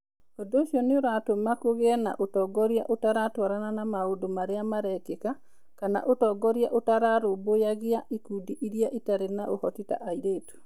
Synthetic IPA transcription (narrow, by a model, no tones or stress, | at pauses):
odoʃjɔnɪoɾatomakoɡɛna̰ʔotɔɡɔɾja̰ʔotaɾatwaɾananamaodomaɾɪamaɾɛkeka | kana̰ʔotɔɡɔɾjaʔotaɾaɾobojaɡɪaʔikudiʔiɾjaʔitaɾenaʔohɔtita̰ʔaiɾeto̥